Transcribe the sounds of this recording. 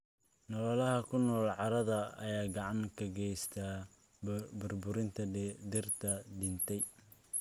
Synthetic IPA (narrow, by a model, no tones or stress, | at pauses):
nɔlɔlɐɦɐkʰʊnɔːlʕɑɾɐðɐ̰ːjaːɡɑʕɑŋkʰɐɡɛjst̪ʰa | bʊrbʊɾɪnt̪ʰɐd̪ɪrt̪ʰɐɖɪnt̪ʰɛj